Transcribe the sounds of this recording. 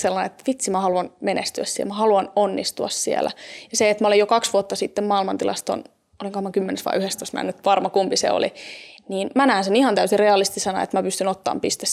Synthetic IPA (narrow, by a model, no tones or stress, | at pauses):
selːɑnḛet̪ːʋit̪simæhɑluɑnmenḛst̪yæssiḛmæhɑluɑnonːist̪uɑ̰ssiḛlæ̰jɑseet̪mæolejokɑksʋuot̪ːɑsit̪ːemmɑːilmɑnt̪ilɑ̰st̪o̰n | oliŋkohmɑkymːenesʋɑ̰iyhest̪osmæ̰nyt̪ʋɑrmɑkumpisḛo̰lḭniːnmænæːnsenihɑnt̪æysirreɑlːˑist̪isɑnɑ̰ḛt̪mæpyst̪ynot̪ːɑ̰ːmpist̪e